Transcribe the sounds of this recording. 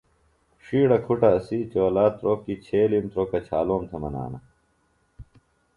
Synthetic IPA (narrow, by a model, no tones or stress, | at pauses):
ʂiːɽɐkʰuʈɐɐsit͡ɕoːlaːt̪ɾoːkit͡ɕʰeːlimt̪ɾoːkɐt͡ɕʰaːloːmt̪ʰemɐna̰ːnɐ̰